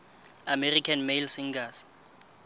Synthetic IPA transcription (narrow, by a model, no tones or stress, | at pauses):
amɛrikʰanmelsiŋɡas